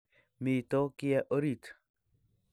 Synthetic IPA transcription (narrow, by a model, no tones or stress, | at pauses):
miːt̪okijaʔoɾit̪